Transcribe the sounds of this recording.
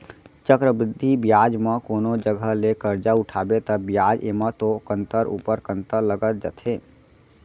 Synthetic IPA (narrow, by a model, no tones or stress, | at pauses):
t͡ʃəkɾəbɾɪd̪ʱːibjad͡ʒməkonod͡ʒəɡʱəɦlekəɾd͡ʒauʈʰabet̪əbijad͡ʒemət̪okənt̪əɾṵpəɾkənt̪əɾləɡət̪̚d͡ʒə̰t̪ʰe